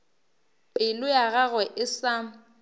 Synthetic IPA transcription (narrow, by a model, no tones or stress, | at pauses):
ɪlʊjaɣaɣwɛʔɪsa